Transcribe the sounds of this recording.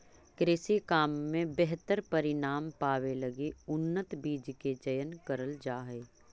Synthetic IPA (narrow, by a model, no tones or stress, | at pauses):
kɾeːsikaːmːẽbɛɦt̪əɾpɐɾɪnaːmpaːʋelɐɡiʊnːət̪biːd͡ʒked͡ʒəjənkəɾəld͡ʒaːɦɛː